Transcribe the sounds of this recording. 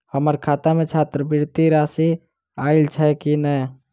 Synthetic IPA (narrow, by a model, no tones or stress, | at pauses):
həməɾkʰaːt̪amẽt͡ʃʰaːt̪ɾəbiɾt̪iɾasi | aːɪlt͡ʃʰɛkinəj